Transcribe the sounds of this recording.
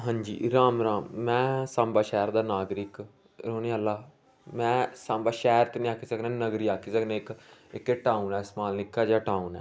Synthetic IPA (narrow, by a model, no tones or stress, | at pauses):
ɦãːnd͡ʒḭːɾaːmɾaːmːɛ̃ːsãːmbaːʃɛːɾd̪aːnaːɡɾɪk | ɾoːneːəlːaː | mɛ̃ːsãːmbaːʃɛːɾt̪eːnĩːaːkʰiːsəknẽːnəɡɾiːaːkʰiːsəknẽːɪkɪkːeʈaːunɛːsmaːlnɪkːaːd͡ʒaːʈaːunɛ̰ː